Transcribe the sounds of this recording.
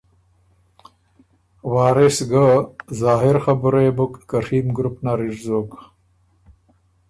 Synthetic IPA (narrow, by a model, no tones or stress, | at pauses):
waːɾesɡəzaːɦiɾxabuɾebukkəɾhiːmɡɾupnaɾiɾzoːk